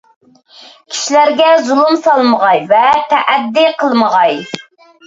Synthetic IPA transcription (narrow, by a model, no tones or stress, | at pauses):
kʲʰi̥ʃilæɾɡʲɛzulˠumsɑlˠməʁɑjvɛt̪ʰɛʔæd̪ːiqʰəlˠməʁɑj